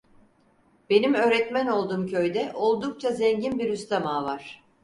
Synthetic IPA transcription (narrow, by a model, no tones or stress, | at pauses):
b̥e̞nimø̞ːɾɛt̪mæno̞lˠd̪uːmcʰø̞jd̪ɛʔo̞lˠd̪uk̚t͡ʃʰazɛɲɟinbiɾyst̪amaːvaɾ̥